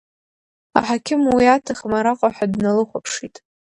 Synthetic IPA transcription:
a̰ħakʲʰɪmwiatʰaχmaɾaqʼaħʷᶣadnalɨχʷapʰʂitʼ

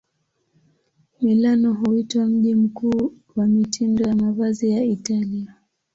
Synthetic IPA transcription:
milanɔɦuitwam̩ʄim̩kuː | wamitʰindɔjamavazijaitalia

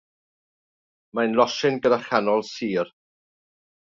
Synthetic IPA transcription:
majnlˠɔʃɪnɡədaχanɔlˠsiːr

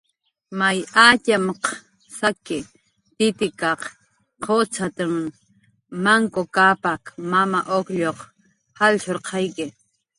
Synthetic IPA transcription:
majacamq | sakɪ | t̪ɪt̪ɪkɑq | qʰot͡sʰat̪amː | aŋkokapakmamaʔokʎoq | halt͡ʃoɾqʰɑjkɪ

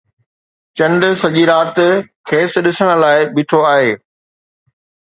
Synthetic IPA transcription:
t͡ɕɐ̃ɳɖ̆sɐʄiɾaːt̪kʰeːsɗɪsəɽ̃ʊ̆laːɪɓɪʈʰoaːɦeː

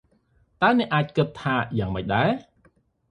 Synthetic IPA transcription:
t̪aənɛ̆əʔːaːc̚kɨt̪ʰːaːjaːŋməc̚ɗaɛ

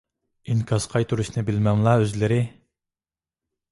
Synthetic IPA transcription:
iŋkʲʰɑsqʰɑjt̪ʰuɾuʃnɨbɪlmɛŋlˠɑøzlɪɾɪ

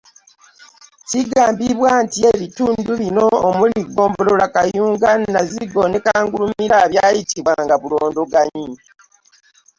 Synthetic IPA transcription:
ciɡaːmbiβwaːntie̞βituːnduβino̞ːmuliɡo̞ːmbololakajuːŋɡanaziɡo̞nekaːŋɡulumiɾaβjajitiβwaːŋɡaβuloːndoɡaɲi

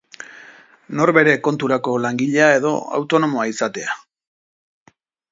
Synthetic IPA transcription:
no̞ɾβe̞ɾe̞ko̞nt̪uɾako̞laŋɡiʎeae̞ðo̞a̰wt̪o̞no̞mo̞aisat̪e̞a

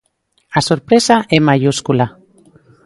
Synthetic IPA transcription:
asoɾpɾesaʔemajuskula

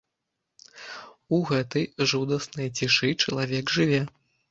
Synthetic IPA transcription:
uɣɛt̪ɨjʐud̪ɐsnɨjɐt͡sʲiʂɨt͡ʂɐlˠavʲɛɡʐɨvʲɛ

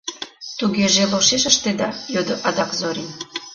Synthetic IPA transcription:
t̪uɣeʒeloʃeʃəʃt̪ed̪ɑjød̪oʔɑd̪ɑkzoɾʲin

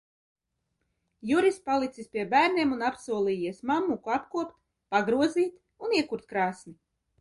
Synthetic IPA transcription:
juɾispalˠit̪sispʲiɛbæːɾnʲiɛmunapsuɔlˠiːjiɛsmamːukuapkuɔpt̪ | paɡɾuɔziːt̪ | uniɛkuɾt̪̚kɾaːsni

